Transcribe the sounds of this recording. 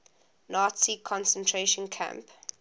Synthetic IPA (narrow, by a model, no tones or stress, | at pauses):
nɑːtsikʰɔ̃nsə̃ntʰɹeʃə̃nkʰã̰mp